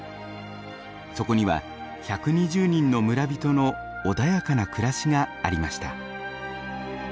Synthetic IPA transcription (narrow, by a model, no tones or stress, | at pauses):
so̞ko̞ɲ̟iβa̰ | çakɯ̟ɲ̟iʑɨːɲ̟ĩnːo̞mɯ̟ɾabʲit̪o̞no̞ː | d̪ajakanakɯ̟ɾaɕiɡa̰ːɾʲimaɕi̥t̪a̰